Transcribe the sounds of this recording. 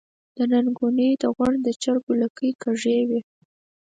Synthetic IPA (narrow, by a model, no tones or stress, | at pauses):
d̪̥ənanɡunid̪əɣwaɳɖd̪ət͡ʃaɾɡulakəjkaʐewe